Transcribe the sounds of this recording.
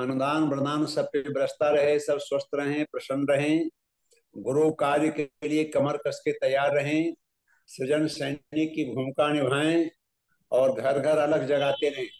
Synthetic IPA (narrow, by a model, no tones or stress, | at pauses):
ɐnʊd̪aːnbɾə̃nd̪aːnsɐb̚kebɾəst̪aɾɐɦesɐbswəst̪ʰɾɐɦẽpɾɐʃə̃nɾɐɦẽ | ɡʊɾukaːɾjəkeliekɐməɾkəsket̪ɐjaːɾːɐɦẽ | sɪd͡ʒənsɐɪnɪkːibʱʊmkanɪbʱaːẽ | ɔːɾɡʱɐɾɡʱəɾɐləɡd͡ʒɐɡaːt̪eɾɐɦẽː